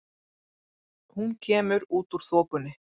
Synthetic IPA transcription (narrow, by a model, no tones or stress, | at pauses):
hunkʰeːmʏɾuːt̪uɾ̥θɔːkʏnɪ